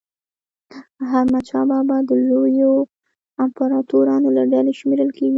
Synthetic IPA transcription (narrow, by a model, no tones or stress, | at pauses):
ɦaɾmat͡ʃɑbɑbɑd̪əlojo | ampaɾɑt̪oɾɑnolaɖaleʃmeɾəlkeɡi